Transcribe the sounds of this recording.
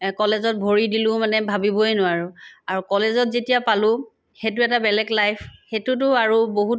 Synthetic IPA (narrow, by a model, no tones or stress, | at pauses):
kɔlezɔt̚bʱoɹidilʊmanɛbʱabibojnʊaɹʊaɹukɔlezɔtzetijapalʊ̃ | xetʊɛtabɛlɛɡlajpʰxetʊt̬ʊaɹuboɦut